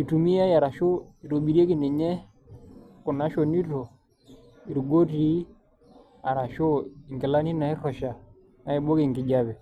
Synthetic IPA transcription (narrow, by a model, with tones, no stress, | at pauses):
i˨tu˨mi˦a˦ja˨ɾa˨ʃo˦i˨ɾo˨ɓi˨ɾje˦ki˨nɛ˨ɲɛ˦ | ku˨na˦ʃɔ˨ni˦to˨ | i˨ɾɡo˦ti˦ | a˨ɾa˨ʃo˦i˨ŋɡi˨la˦ni˦na˨i˦rɔ˨ʃa˨ | na˨i˨bo˦ke˦˨ŋɡi˨d͡ʒa˦βɛ˨